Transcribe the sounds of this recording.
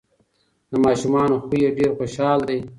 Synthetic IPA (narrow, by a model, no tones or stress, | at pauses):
d̪̥əmɑːʃumɑːnoxujeɖeɾxoʃɑːld̪e